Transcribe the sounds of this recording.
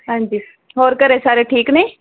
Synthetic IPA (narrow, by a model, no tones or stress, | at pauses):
ɦãːɲd͡ʒiː | ɦoːɾkəɾeːsaːɾeːʈʰiːknẽː